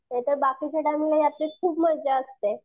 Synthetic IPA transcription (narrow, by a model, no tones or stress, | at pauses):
t̪et̪əɾbakit͡ɕeʈamilejat̪lekʰuːpməɾd͡ʑaəst̪e